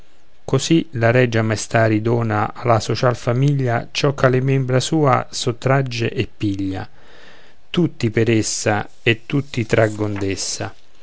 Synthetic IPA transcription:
kosilaɾɛd͡ʒːamajst̪aːɾid̪ɔːnaalasot͡ʃalfamiʎːat͡ʃɔkʰːalɪmɛmbɾasuːa̰sot̪ːɾad͡ʒːeʔɛpːiʎːa̰ | t̪ut̪ːipɛɾesːa | et̪ːut̪ːit̪ɾaɡːond̪ɛsːa

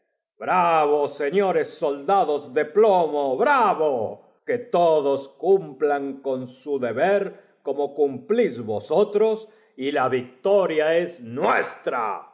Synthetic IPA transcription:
bɾaβoseɲo̞ɾesːold̪aðozðe̞plomoβɾaβo | ket̪oðoskumplaŋko̞nsuðeβeɾ | komokumplizβosot̪ɾos | ilaβik̚t̪oɾjaeznwḛst̪ɾa̰

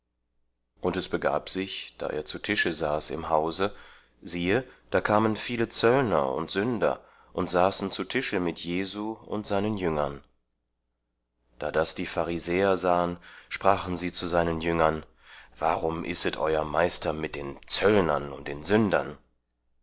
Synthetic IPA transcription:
ʔʊntɛsb̥əɡa̰ːpz̥ɪçd̥a̰ːʔḛːɐt͡sutʰɪʃəzaːsɪ̰mɦaʊzə | ziːəd̥aːkʰaːmənfiːlət͡sœlnɐ̰ʊ̰ntz̥ʏndɐ̰ | ʔʊntz̥aːsn̩t͡sutʰɪʃəmɪtʰjeːzuːʊ̰ntz̥aɪnənjʏŋɐn | d̥aːdasd̥iːfaʁizɛːɐzaːənʃpʁ̥aːχn̩ziːt͡suzaɪnənjʏŋɐn | va̰ːʁʊmʔɪ̰stətʔɔ̰ʏɐmaɪstɐmɪt̚d̥eːnt͡sœlnɐnʊnt̚d̥eːnzʏndɐ̰n

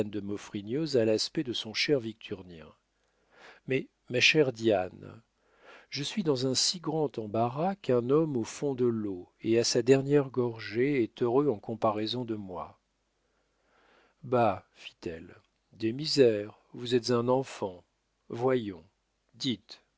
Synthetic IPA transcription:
nd̪əmɔfχinjøzalaspɛd̪əsɔ̃ʃɛʁvik̚t̪ʰyʁnjɛ̰̃ | mɛ | maʃɛʁd̪jan | ʒəsɥid̪ɑ̃zɛ̃siɡʁɑ̃t̪ɑ̃baʁakɛ̃nɔmofɔ̃d̪əlo | easad̪ɛʁnjɛʁɡɔʁʒeɛt̪øʁøɑ̃kɔ̃paʁɛzɔ̃d̪əmwa̰ | ba | fi̥t̪ɛ̰l | d̪emizɛʁ | vuzɛt̪zɛ̃nɑ̃fɑ̃ | vwajɔ̃ | d̪it̪

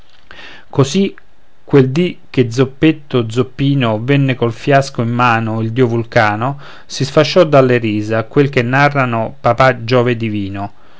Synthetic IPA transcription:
kosi | kːweld̪ik̟ːed̪zopːet̪ːod̪zopːiːnovenːekolfjaskoimːaːnoild̪iovulkaːno | sisfat͡ʃːɔd̪ːalːeɾiːzakwelkenːarːanopapad͡ʒɔːved̪iviːno

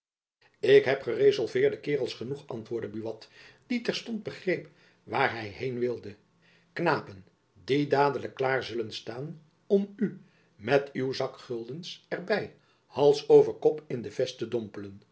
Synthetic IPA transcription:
ɪkɦɛpχərezɑlˠvɪːɹdəkɪːʁəlˠsχənuχɑ̰ntʋʊːɹdəbyʋɑtd̥itɛɹstɔnd̚bəχrejp | ʋaːɹɦɛjɦejnʋɪlˠdə | knaːpən | didaːdələkːlaːɹzɵlənstaːn | ɔmy | mɛtywzɑkχɵlˠdənsɛɹbɛj | hɑlˠsowvəɹkɔpɪndəv̥ɛstədɔmpələn

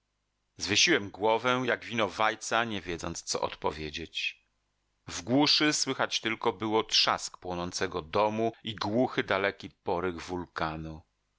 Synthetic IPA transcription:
zvɘɕiwɛmɡwɔvɛjaɡvʲinɔvajt̪saɲɛvʲjɛd̪zɔntst̪sɔ̰ʔɔ̰t̪pɔvʲjed͡ʑet͡ɕ | vɡwuʂɘswɘxat͡ɕt̪ɘlkɔbɘwɔtʂaskpwɔnɔnt̪sɛɡɔd̪ɔmuiɡwuxɘd̪alɛkʲipɔɾɘɣvulkanu

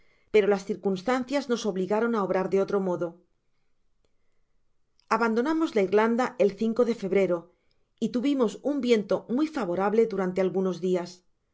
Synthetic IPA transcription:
pe̞ɾo̞lasθiɾkunst̪anθjazno̞so̞βliɣaɾo̞nao̞βɾaɾðe̞o̞t̪ɾo̞mo̞ðo̞ | aβand̪onamo̞zlaiɾland̪aʔelθiŋko̞ðe̞fe̞βɾe̞ɾo̞ | it̪uβimo̞sumbje̞nt̪o̞mwuijfaβo̞ɾaβle̞ðuɾant̪e̞alɣuno̞zðias

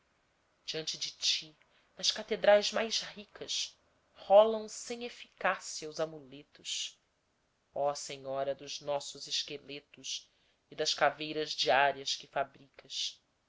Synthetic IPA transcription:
d͡ʒiɐ̃nt͡ʃɪd͡ʒɪt͡ʃi | nɐskat̪ed̪ɾajzmajzhikʰɐʃ | hɔlɐ̃w̃sẽj̃efikasiɐuzamulet̪ʊs | ɔseɲɔɾɐd̪ʊznɔsʊzɪʃkelet̪ʊʃ | ɪd̪ɐskavejɾɐzd͡ʒiaɾiɐskɪfabɾikɐs

